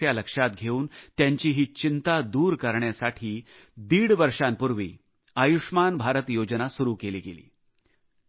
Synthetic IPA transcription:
jaləkʂat̪̚ɡʱeuːnt̪jaɲt͡ɕiːɦiːt͡ɕint̪ad̪uːɾkəɾɳjasaʈʰiː | d̪iːɽʋəɾʂampuɾʋḭː | əjuʂmanbʱaɾət̪jod͡ʑnasuɾuːkelḭːɡelḭː

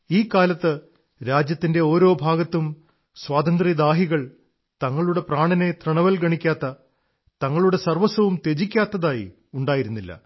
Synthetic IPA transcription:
iːkːaːlɐt̪ːɨ | ɾaːd͡ʑjɐt̪ːinde̞o̞ːɾo̞ːbʱaːɡɐt̪ːum | swaːd̪ɐnd̪rid̪aːɦiɣɐɭ | t̪ɐŋːɐɭuɽe̞praːɳɐne̞t̪rɐɳɐʋɐlɡɐɳikʲːaːt̪ːɐ | t̪ɐŋːɐɭuɽe̞sɐrʋɐsɐʋumt̪e̞d͡ʑikʲːaːt̪ːɐðaːjḭ | uɳɖaːjiɾunːilːɐ̰

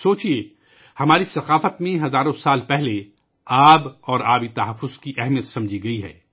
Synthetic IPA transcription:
soːt͡ʃie | hɐmaːɾisɐqaːfət̪mẽɦɐzaːɾõsaːlpɛɦle | aːbɔːɾaːbit̪ɐɦɐfːʊz̥kiʔɛɦmijət̪sɐ̃md͡ʒʱiɡɐiɦɛ̰ː

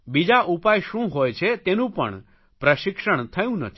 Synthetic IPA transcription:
bid͡ʒaʔupajʃũɦojt͡ʃʰet̪enũpə̰ɳ | pɾəʃɪkʃəɳt̪ʰəjũnə̰t̪ʰi

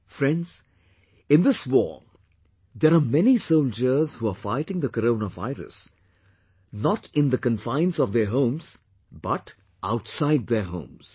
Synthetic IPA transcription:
fɾɛ̃nɖz̥ | ɪ̃nd̪ɪswɔ̰ː | d̪ɛɾamɛnisoʊld͡ʒəz̥huːafaɪʈɪ̃ŋd̪əkəɾoːnava̰ɪɾə̰s | nɔʈʰɪ̃nd̪əkə̃nfãɪ̃nsɔvd̪əɦõʊ̃mz̥ | bʌʈ | ʔaʊʈsaɪd̪̚d̪əɦõ̰ʊ̃mz̥

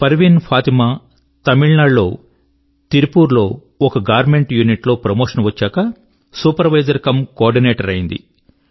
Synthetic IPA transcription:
pɐɾʋinpʰaːt̪imaː | t̪ɐmiɭnaːlo̞ː | t̪iɾipuːɾlo̞ː | ɔkɐɡaːɾme̞ɳʈjuːniʈlo̞ːpɾɐmoːʂɐnʋɐt͡ʃːaːkɐ | suːpɐɾʋɐjd͡ʒɐɾkɐmkaːɾɖineːʈɐɾɐjind̪ḭ

